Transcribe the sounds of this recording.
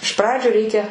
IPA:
ɪʃ ˈprɑːd͡ʒʲʊ ˈrʲɛɪkʲɛ

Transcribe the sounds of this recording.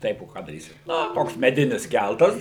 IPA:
ˈtɐɪp oː ˈkɑː dɐˈrʲiːsʲɪ ˈnɐ ˈtoːks mʲɛˈdʲɪnʲɪs ˈkʲælˠtɐs

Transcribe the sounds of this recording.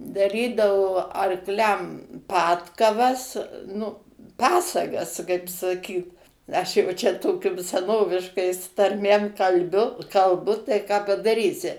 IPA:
dɐˈrʲiːdɐʋoː ɐrkˈlʲɛm ˈpɑːtkɐʋɐs nʊ ˈpɑːsɐɡɐs kɐɪp sɐˈkʲiːt ɐʃ jɛʊ ˈt͡ʃʲɛ ˈtoːkʲʊm sʲɛˈnoːʋʲɪʃkɐɪs tɐrʲˈmʲeːm kɐlʲˈbʲʊ kɐlˠˈbʊ tɐɪ kɑː pɐdɐˈrʲiːsʲɪ

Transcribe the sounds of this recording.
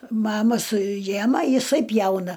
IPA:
ˈmɑːmɐ sʊˈjæːmɐ jɪˈsɐɪ ˈpʲjɛʊnɐ

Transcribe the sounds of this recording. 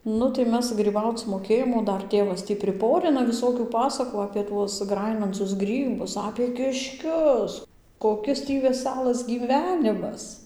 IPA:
ˈnʊ tɐɪ ˈmʲɛs ɡrʲiːˈbɐʊt͡s moːˈkʲeːjoːm oː ˈdɐr ˈtʲeːʋɐs ˈtʲiː pʲrʲɪˈpoːrʲɪnɐ ʋʲɪˈsoːkʲuː ˈpɑːsɐkuː ɐpʲeː ˈtuɔs ˈɡrɑːjɪnɐnt͡sʊs ˈɡrʲiːbʊs ɐpʲeː kʲɪʃʲˈkʲʊs koːˈkʲɪs tʲiː ʋʲɛˈsʲælˠɐs ɡʲiːˈʋʲæːnʲɪmɐs

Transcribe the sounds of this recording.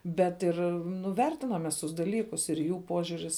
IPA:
bʲɛt ˈɪr nʊ ˈʋʲɛrʲtʲɪnɐm mʲɛs ˈtʊs dɐˈlʲiːkʊs ɪr ˈjuː ˈpoːʒʲʊrʲɪs

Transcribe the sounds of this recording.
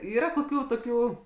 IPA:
ˈiːrɐ koːˈkʲuː toːˈkʲuː

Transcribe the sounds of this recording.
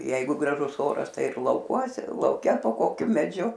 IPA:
ˈjɛɪɡʊ ɡrɐˈʒʊs ˈoːrɐs ˈtɐɪ ɪr lˠɐʊˈkuɔsʲɛ lˠɐʊˈkʲɛ poː ˈkoːkʲʊ mʲɛˈd͡ʒʲʊ

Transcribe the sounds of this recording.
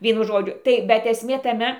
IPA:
ˈʋʲiɛnʊ ˈʒoːd͡ʒʲʊ ˈtɐɪ bʲɛt ɛsʲˈmʲeː tɐˈmʲɛ

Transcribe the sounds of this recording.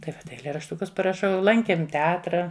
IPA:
tɐɪ ˈʋɐ ɛɪlʲeːrɐʃˈtʊkʊs pɐrɐˈʃɐʊ ˈlˠɐŋʲkʲeːm tʲɛˈɑːtrɐ

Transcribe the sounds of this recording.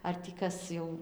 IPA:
ɐr tʲiː ˈkɐs jɛʊ

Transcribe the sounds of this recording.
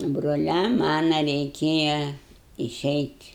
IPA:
broːˈlʲɛm ˈmɑːnɐ rʲɛɪˈkʲeːjɛ ɪˈʃʲɛɪtʲ

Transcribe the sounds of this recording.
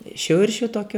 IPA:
ˈʃʲʊrʲʃʲʊ ˈtoːkʲʊ

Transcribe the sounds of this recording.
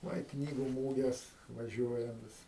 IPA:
ˈʋɐ ɪ ˈknʲiːɡʊ ˈmuːɡʲɛs ʋɐˈʒʲuɔjɛm ˈʋʲɪs

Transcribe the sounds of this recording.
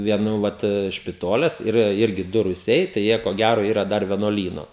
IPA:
ʋʲiɛˈnuː ˈʋɐt ʃʲpʲɪˈtoːlʲɛs iːˈrɐ ˈɪrʲɡʲɪ ˈdʊ rʊˈsʲɛɪ tɐɪ ˈjiɛ koː ˈɡʲæroː ˈiːrɐ ˈdɐr ʋʲiɛnuɔˈlʲiːnoː

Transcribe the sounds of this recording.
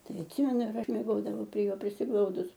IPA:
ˈtɐɪ ɐtʲˈsʲɪmʲɛnʊ ɪr ˈɐʃ mʲiɛˈɡoːdɐʋɐʊ pʲrʲiɛ ˈjoː pʲrʲɪsʲɪˈɡlˠɐʊdʊs

